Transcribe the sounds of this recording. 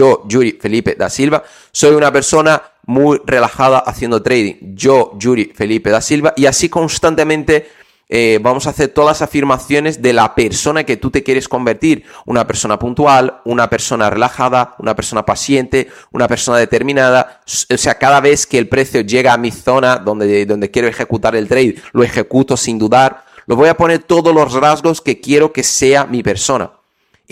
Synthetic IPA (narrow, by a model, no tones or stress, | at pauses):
oʒuɾife̞lipe̞d̪a̰silβa | so̞junape̞ɾso̞na | mujre̞laxað̞aʔaθje̞nd̪ot̪ɾejð̞ḭŋɟ͡ʝo̞ʝuɾife̞lipe̞ðasilβaʔiasiko̞nst̪ant̪e̞mẽnt̪e̞ | eβamo̞saːθe̞ɾt̪o̞ðasafiɾmaθjo̞ne̞zðe̞lape̞ɾso̞nake̞t̪ut̪e̞kjeɾe̞sko̞mbe̞ɾt̪iɾunape̞ɾso̞napunt̪ualunape̞ɾso̞nare̞laxaðaunapeɾso̞napaθje̞nt̪eunape̞ɾso̞naðe̞t̪e̞ɾmĩnað̞asoseakaðaβ̞e̞θkeːlpɾe̞θjoʝe̞ɣaːmiθo̞naðond̪eðo̞nd̪ekje̞ɾoe̞xe̞kut̪aɾelt̪ɾejðloexe̞kut̪o̞sind̪uðaɾ | lʔo̞βo̞japo̞ne̞ɾt̪oðolo̞zrazɣo̞ske̞kje̞ɾo̞ke̞se̞amipe̞ɾso̞na̰